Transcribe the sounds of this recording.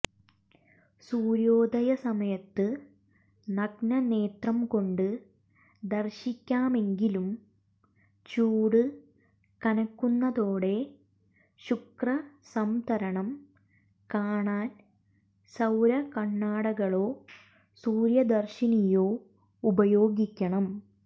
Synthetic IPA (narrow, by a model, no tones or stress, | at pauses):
suːɾjoːd̪ʱɐjɐsɐmɐjɐt̪ːɨ | nɐɡnɐne̞ːt̪rɐmko̞ɳɖɨ | d̪ɐrɕikʲːaːme̞ŋɡilum | t͡ɕuːɽɨ | kɐnɐkːunːɐðoːɽe̞ | ɕukrɐsɐmt̪ɐɾɐɳɐm | kaːɳaːn | sɐwɾɐkɐɳːaːɽɐɣɐɭo̞ː | suːɾjɐd̪ɐrɕinijo̞ː | ubɐjo̞ːɡikʲːɐɳɐm